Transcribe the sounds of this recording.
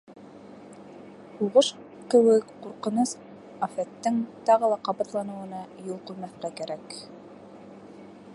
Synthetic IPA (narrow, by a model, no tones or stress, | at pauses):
huʁɤʃ | kɘ̆wɘkquɾqɤ̆nɤs | ɑfæt̪ːɘŋt̪ɑʁɤ̆lˠɑqɑbɑt̪lˠɑnɤ̆wɤ̆nɑjulˠqɵ̆jmæθqækæɾæk